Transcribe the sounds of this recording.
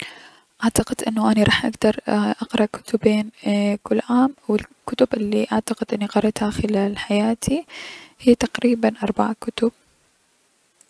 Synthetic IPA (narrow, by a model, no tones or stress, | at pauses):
ʔaʕt̪aqɪd̪ʔɪnːʊʔaniɾˤɑːħʔaɡd̪ɑɾˤʔɑqɾˤɑkʊ̥t̪ʊbeːnkʊlːʕaːmawɪlkʊt̪ʊbʔɪlːiʔaʕt̪aqɪd̪ʔɪnːiqɑɾˤɑt̪haxɪlaːlħajaːt̪ʰihijːt̪aqɾiːbanʔɑɾˤbaʕakʊt̪ʊb̥̚